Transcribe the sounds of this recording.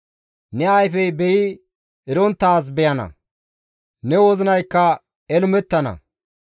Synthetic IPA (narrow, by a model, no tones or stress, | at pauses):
nɛɐjfɛjbɛjɪ | ɪɾɔnt̪ːaːs̬bɛjɐnɐ̰ | nɛwɔzɪnɐjkːɐ | ɛlʊmɛt̪ːɐnɐ̰